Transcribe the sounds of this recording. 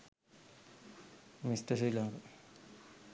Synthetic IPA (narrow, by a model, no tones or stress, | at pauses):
misʈəsilaŋɡ